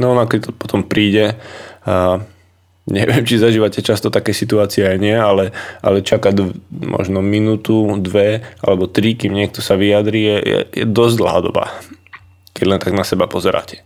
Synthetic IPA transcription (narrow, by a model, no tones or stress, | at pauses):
nɔɔnakɛt̪ɔpɔ̥t̪ɔmpɾiːɟɛa | ɲɛ̰ʋɪɛmt͡ʃizaʒiːʋacɛt͡ʃast̪ɔt̪akɛjsit̪uaːt͡siɛajɲɪɛalɛʔa̰lɛt͡ʃakaɟmʔɔ̰ʒnɔminuːt̪ud̪ʋɛa̰lɛbɔt̪ɾikimɲɪɛk̚t̪ɔsaʋijad̪ɾijɛjɛ̰jɛ̰d̪ɔzd̪l̩ɦa̰ːd̪ɔ̰ba̰ | kɛɟlɛnt̪aɡnasɛbapɔzɛɾa̰ːcɛ̥